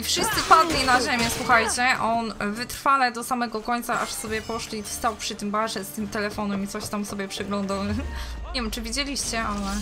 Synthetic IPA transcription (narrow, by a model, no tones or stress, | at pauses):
ifʂɘst̪sɘpad̪lʲinaʑemʲjɛswuxajt͡ɕɛʔɔnvɘt̪ɾfalɛd̪ɔsamɛɡɔkɔɲʲt̪saʔa̰ʂsɔbʲjɛpɔʂlʲist̪awpʂɘt̪ɘmbaʐɛst̪ɘmt̪ɛlɛfɔnɛmit̪sɔɕt̪amsɔbʲjɛpʂɛɡlɔnd̪awɲevʲɛmt͡ʂɘvʲid͡ʑelʲiɕt͡ɕɛʔalɛ